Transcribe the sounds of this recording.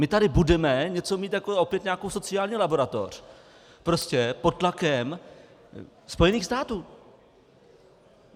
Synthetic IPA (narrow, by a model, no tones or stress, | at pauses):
mɪt̪adɪbudɛmɛɲɛt͡so̞miːt̪jako̞o̞pjɛt̪ɲaːko̞wso̞t͡sɪaːlɲiːlabo̞ɾat̪o̞̰r̝̥ | pɾo̞scɛpot̪̚t̪lakɛm | spo̞jɛniːxst̪aːt̪uː